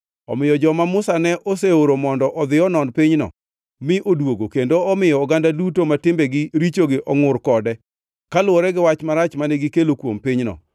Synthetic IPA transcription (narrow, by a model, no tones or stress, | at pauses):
ɔ̰mɪjɔd͡ʒɔmamʊsanɛʔoseoɾomɔndɔʔɔd̪ɪɔnɔnpɪɲnɔ̰ | mɪʔodwoɡokendoɔmɪjɔːɡandadutomatɪmbɛɡɪɾit͡ʃoɡɪʔɔŋʊrkɔdɛ | kalʊwoɾɛɡɪwat͡ʃmaɾat͡ʃmanɛɡɪkelokwompiɲnɔ̰